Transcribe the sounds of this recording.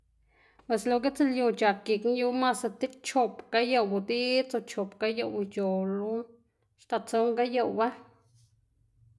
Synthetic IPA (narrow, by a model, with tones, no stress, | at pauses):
pwe˨slo˧˨ɡe˦t͡se˦ljo˧t͡ʃa˨ki˨kn˦ju˦ma˦sa˧t̪i˦t͡ʃo˧pka˦ja˦˨wbu˨d̪i˦t͡so˧t͡ʃo˨pka˦ja˧wt͡ʃo˨lu˦ | ʃt̪a˧˨t͡so˧˦ŋɡa˦ja˧wba˦